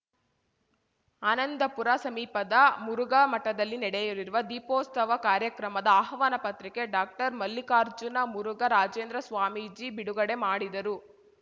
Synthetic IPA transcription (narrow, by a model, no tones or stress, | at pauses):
anɐnd̪ɐpuɾasɐmiːpɐd̪ɐmuɾuɡɐmɐʈːɐd̪ɐlːinɛɽɛjuliɾuʋɐd̪iːpɔːst̪ɐʋɐkaːɾjɐkɾɐmɐd̪ɐaɦɐʋaːnɐpɐt̪ɾikeɖaːk̚ʈɐɾmɐlːikaːɾd͡ʒunɐmuɾuɡɐɾaːd͡ʒeːnd̪ɾɐsʋaːmid͡ʒiːbiɽuɡɐɽe̞maːɽid̪ɐɾu